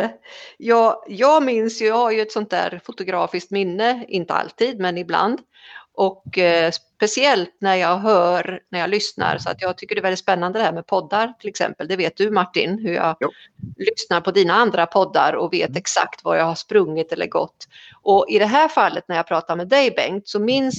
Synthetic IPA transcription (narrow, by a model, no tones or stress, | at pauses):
jɑːɡjɑːɡmɪnsjɵjɑhaɾjɵɛt̪sɔnt̪̚d̪æ̰ːɾfʊt̪ʊɡɾɑːfɪsk̚t̪mɪnːəɪnt̪əa̰lt̪iːd̪mɛnɪbla̰nd̪ | ʔɔkspɛsɪɛlt̪næɾjɑːɡɦœːɾnæɾjɑlʏsna̰ɾsɔa̰t̪jɑːɡ̚t̪ʰʏkːəɖɛvɛlɪt̪spɛnːand̪əd̪ɛhæːɾmɛpʰɔd̪ːaɾt̪ʰɪlɛksɛ̰mpəld̪ɛveːt̪̚d̪ɵmaʈːɪ̰nɦɵɾjɑ̰ː | lʏsnaɾpʰɔd̪iːnaand̪ɾapʰɔd̪ːa̰ɾɔveːt̪ɛksa̰kt̪va̰ɾjaɡhaʂpɾɵŋːɪt̪ɛlːʔə̰ɾɡɔ̰t̪ː | ʔɔʔɪd̪ɛɦæːɾfalːət̪̚næɾjɑːpʰɾɑːt̪aɾmɛd̪ɛjbɛŋt̪sɔmɪns